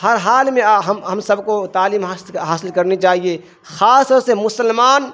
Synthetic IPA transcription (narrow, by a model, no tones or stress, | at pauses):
həɾɦaːlmẽɦɐmɦəmsɐbkot̪aːliːmɦasɦaːsɪlkɐɾnit͡ʃaːɦie | xaːst̪ɔɾsemʊsəlmaːn